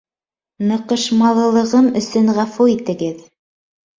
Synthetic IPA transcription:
nɤ̆qɤ̆ʃmɑlˠɤ̆lˠɤ̆ʁɤmɵ̆sɵnʁɑfuit̪ɘ̆ɡɘð

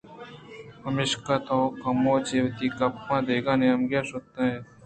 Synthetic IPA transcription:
pəmeːʃkaːt̪okɐmõːt͡ʃeːʋt̪iːkɐpːãːd̪eːɡãːnẽɐmɡjaːsot̪ːãːɦeː

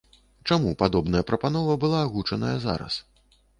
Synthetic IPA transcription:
t͡ʂamupad̪ɔbnɐjɐpɾɐpanɔvɐbɨlˠaːɣut͡ʂɐnɐjɐza̰ɾɐ̰s

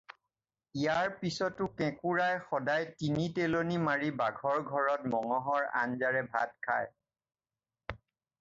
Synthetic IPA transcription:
ijaɹpisɔtʊkɛ̃kuɹajxɔdajtinitelonimaɹibaɡʱɔɹɡʱɔɹɔt̚mɔŋɔɦɔɹa̰nzaɹɛbʱa̰t̚kʰa̰j

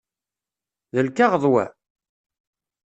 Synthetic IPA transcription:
ðəlkaʁəðˤwæ̰

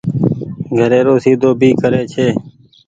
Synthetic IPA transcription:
ɡʱəɾeːɾoːsiːd̪oːbʱiːkəɾeːt͡ʃʰeː

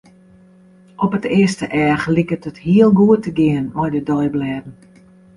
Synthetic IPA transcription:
ʔɔpətɪəstəʔɛːχlikətəthiəlˠɡuətəɡɪənʋɔjdədɔjblɛːdn̩

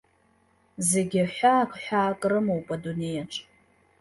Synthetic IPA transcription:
zeɡʲaħʷaːkʷʰʼħʷᶣaːkʼrɨmowpʼadune̞jaʈ͡ʂʰʼ

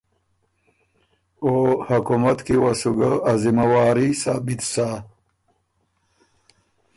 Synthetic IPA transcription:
ohakumat̪kiwasuɡaazimawaːɾisaːbit̪sa

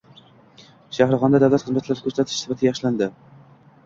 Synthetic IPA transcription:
ʃahɾʁɒnd̪ad̪awlat̪χɨzmat̪ʰlaɾɪkʰɵɾsat̪ʰɪʃsɪ̥fat̪ʰɪɡʲjɑχʃland̪ɪ

